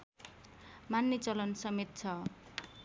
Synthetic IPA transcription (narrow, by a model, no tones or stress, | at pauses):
manːit͡sʌlʌnsʌmet̪̚t͡sʰʌ